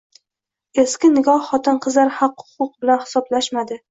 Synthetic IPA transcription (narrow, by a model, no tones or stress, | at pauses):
e̞skʲɪnɪɡɒhːɒt̪ɪnqʰɨzlaɾhɑqhʊ̥qʊq̚bɪlanhɪ̥sɒblaʃmad̪ɪ